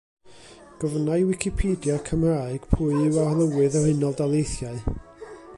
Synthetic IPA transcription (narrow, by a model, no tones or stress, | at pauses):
ɡ̥ɔvnajwɪkʰipʰeːdjakʰəmraːɨɡ̥pʰuːɨwalˠəwɨðɔrhɪnɔlˠdalˠejθjaɨ